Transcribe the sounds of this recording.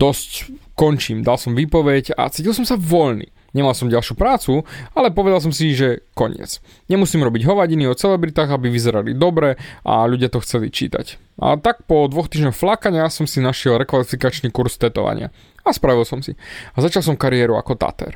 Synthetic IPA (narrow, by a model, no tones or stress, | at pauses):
d̪̥ɔsckɔɲt͡ʃiːmd̪alsɔmʋiːpɔʋɛca̰t͡siːcilˠsɔmsaʋɔʎnḭ | ɲɛmalˠsɔmɟalʃjupɾaːt͡sualɛpɔʋɛd̪als̬ɔmsiʒɛkɔɲɪɛ̰t͡s | ɲɛmusiːmɾɔbiɟɦɔʋaɟiniɔt͡sɛlɛbɾit̪aːɣabiʋizɛɾalḭd̪ɔbɾɛa̰ʎuɟɪat̪ɔxt͡sɛlḭt͡ʃḭːt̪a̰ca̰t̪ak̚pɔd̪ʋɔxt̪iːʒɲɔxflakaɲasɔmsinaʃɪɛlɾɛkʋalifikat͡ʃnikuɾst̪ɛt̪ɔ̰ʋa̰ɲɪa̰ | aspɾaʋilsɔmsiazat͡ʃalˠsɔmkaɾiɛɾua̰kɔt̪a̰t̪ɛ̰ɾ